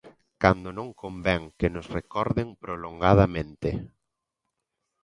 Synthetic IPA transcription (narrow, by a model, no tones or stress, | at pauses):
kand̪onõŋkombɛŋkɪnʊsrekɔɾðɪŋpɾoloŋɡaðamẽnt̪ɪ